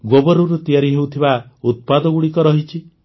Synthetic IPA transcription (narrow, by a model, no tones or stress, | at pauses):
ɡobɔɾuɾut̪ijaɾiɦewt̪ʰibaut̪̚pad̪ɔɡuɽikɔɾɔɦit͡ʃʰi